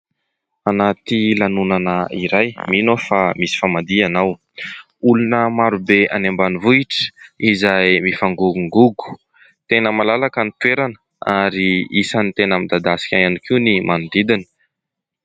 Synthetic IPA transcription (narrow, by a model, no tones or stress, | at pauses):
anat̪ilanunanəiɾajminofamisi̥famad̪ianaw | ulunəmaɾubeʔa̰nembanivuiʈ͡ʂə̥izajmifaŋɡuuŋɡuɡu̥ | t̪enəmalalakanit̪ueɾanə̥ | aɾiisanit̪enamid̪ad̪asi̥kʲajanikiwnimanud̪id̪ini̥